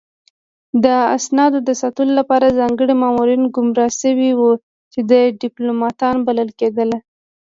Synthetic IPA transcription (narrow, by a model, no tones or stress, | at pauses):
d̪əa̰snɑd̪od̪əsat̪əlolapɑɾazɑŋɡəɽimɑmuɾinɡʊmɾɑʃəwiwu | t͡ʃed̪ajeɖɪplomɑt̪ɑnbaləlked̪əle